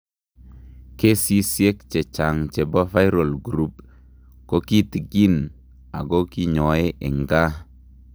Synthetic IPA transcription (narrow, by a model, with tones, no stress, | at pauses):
ke˦si˦sje˦k̚t͡ʃe˨t͡ʃa˨ŋt͡ʃe˨bɔ˦fa˦jɾo˨lɡu˨ɾu˦p | ko˦ki˦ti˨ɡi˦n | a̰˨ɡo˦ki˦ɲɔ˨e˦ʔe˨ŋɡa˦